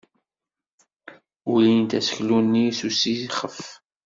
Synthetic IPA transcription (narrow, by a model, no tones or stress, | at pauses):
ulint̪æsə̥çlunːisusijχəf